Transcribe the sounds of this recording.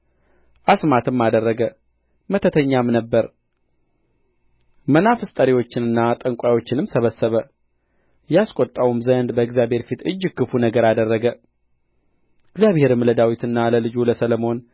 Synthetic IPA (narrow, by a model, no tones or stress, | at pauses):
ʔasmat̪ʰɨmːad̪ərːəɡə | mət̪ʰət̪ʰəɲːamnəbːəɾ | mənafɨst̪ʼəɾiwo̞t͡ʃːɪnɨnːat̪ʼəŋkʷʼajo̞t͡ʃːɪnɨmsəβəsːəβə | jaskʼot̪ʼːəwumzənd̪bəɨɡzjaβhe̞ɾfit̪ɨd͡ʒːɨkːɨfunəɡəɾad̪ərːəɡə | ʔɨɡzjaβhe̞ɾɨmləd̪awit̪ʰɨnːaləlɨd͡ʒuləsələmo̞n